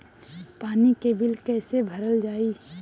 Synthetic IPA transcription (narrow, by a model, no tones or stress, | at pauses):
paːnikebɪlkɛːsebʱəɾəld͡ʒaːiː